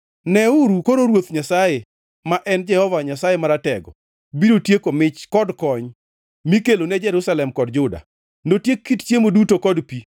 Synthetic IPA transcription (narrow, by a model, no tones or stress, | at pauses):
nɛuɾukoɾoɾwot̪ɲasaje | maʔɛnd͡ʒɛhɔvaɲasajemaɾatɛɡɔ̰ | biɾotjekomɪt͡ʃkɔdkɔɲ | mikelonɛd͡ʒɛɾusalɛmkɔdd͡ʒʊda̰ | notjekːitt͡ʃjemodutokɔdpi